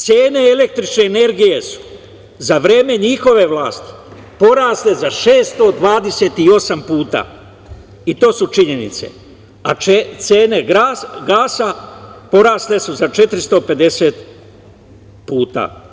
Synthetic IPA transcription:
t̪seːne̞ele̞k̚t̪ɾit͡ʃne̞ːne̞ɾɡije̞su̥ | zaʋɾe̞ːme̞ɲixo̞ʋe̞ʋlˠaːst̪i̥ | po̞ɾaːsle̞zaʃeːst̪o̞d̪ʋaːd̪e̞se̞ːt̪io̞sampuːt̪a̰ː | it̪o̞ːsut͡ʃiɲe̞nḭt̪se̞̰ | aet̪se̞ːne̞ɡaɡaːsapo̞ɾaːsle̞suzat͡ʃe̞t̪ɾist̪o̞pe̞d̪e̞se̞t̪ | puːt̪a̰

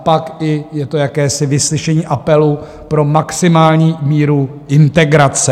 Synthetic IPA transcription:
pakɪjɛt̪o̞jakɛːsɪvɪslɪʃɛɲiːʔapɛlu | pɾo̞maksɪmaːlɲiːmiːɾu | ʔɪnt̪ɛɡɾat͡sɛ

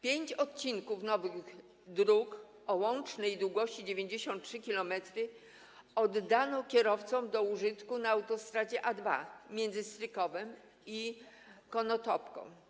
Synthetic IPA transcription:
pʲjeɲt͡ɕɔt̪̚t͡ɕinkufnɔvɘɣɣ | d̪ɾuk | ɔwɔnt͡ʂnɛjd̪wuɡɔɕt͡ɕid͡ʑevʲjeɲd͡ʑeɕɔ̃nt̪̚tʂɘkʲilɔmɛt̪ɾɘ | ɔd̪ːanɔkʲjɛɾɔft̪sɔmd̪ɔuʐɘt̪kunaːwt̪ɔst̪ɾad͡ʑɛʔad̪va̰mʲjɛnd̪zɘst̪ɾɘkɔvɛm | i | kɔnɔt̪ɔpkɔ̰̃w̃

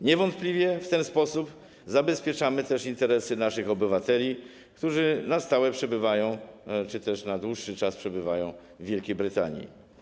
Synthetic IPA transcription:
ɲɛvɔnt̪̚plʲivʲjɛft̪ɛnspɔsup | zabɛspʲjɛt͡ʂamɘt̪ɛʂint̪ɛɾɛsɘnaʂɘxɔbɘvat̪ɛlʲi | kt̪uʐɘnast̪awɛpʂɛbɘvajɔ̃w̃t͡ʂɘt̪ɛʂnad̪wuʂːɘt͡ʂaspʂɛbɘvajɔ̃w̃ | vʲːjɛlkʲejbɾɘt̪a̰ɲḭ

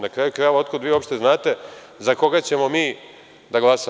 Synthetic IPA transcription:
nakɾaːjukɾajʋaot̪kod̪ʋiːo̞pʃt̪e̞znaːt̪e̞ | zako̞ɡat͡ɕe̞mo̞miː | d̪aɡlˠasa

